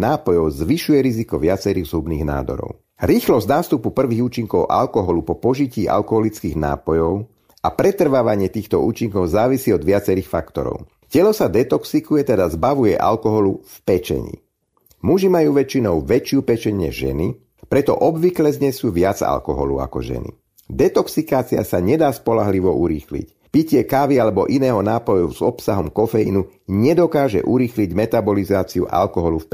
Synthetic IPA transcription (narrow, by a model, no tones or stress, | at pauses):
naːpɔjɔʊzʋiʃujɛɾizikɔʋɪat͡sɛɾiːɣzɦubniːɣna̰ːd̪ɔ̰ɾɔ̰ʊ | ɾiːxlɔznaːfst̪upupr̩ʋiːɣuːt͡ʃiŋkɔʊʔa̰lkɔɦɔlupɔpɔʒiciːʔa̰lkɔɦɔlit͡skiːɣna̰ːpɔjɔʊ | ʔapɾɛt̪r̩ʋaʋaɲɪɛt̪iːxt̪ɔuːt͡ʃiŋkɔʊzaːʋisiːɔd̪ʋɪat͡sɛɾiːxfakt̪ɔ̰ɾɔ̰ʊ | cɛlɔsad̪ɛt̪ɔksikujɛt̪ɛd̪azbaʋujɛ̰ʔa̰lkɔɦɔlufpɛt͡ʃɛ̰ɲḭ | muʒimajuːʋɛt͡ʃinɔʊʋɛt͡ʃɪupɛt͡ʃɛɲɲɛ̰ʒɛ̰ni | pɾɛt̪ɔ̰ʔɔbʋiklɛzɲɛsjuʋɪad͡za̰lkɔɦɔ̰lṵa̰kɔ̰ʒɛ̰nḭ | d̪ɛt̪ɔksikaːt͡siasaɲɛd̪aːspɔlaɦliʋɔʔuɾḭːxlḭc | picɪɛkaːʋialɛbɔʔinɛːɦɔnaːpɔjuz̥ɔpsaɦɔmkɔfɛjḭnuɲɛd̪ɔkaːʒɛ̰ʔuɾiːxliɟmɛt̪abɔlizaːt͡siṵʔa̰lkɔɦɔlufp